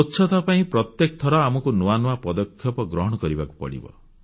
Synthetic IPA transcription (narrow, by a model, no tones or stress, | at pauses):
otːʃʰɔt̪ʰapaĩpɾɔt̪jekɔt̪ʰɔɾɔamɔkunuanuapɔd̪ɔkʰjɔpɔɡɾɔɦɔɽ̃ɔkɔɾibaku̥pɔ̰ɽḭbɔ̰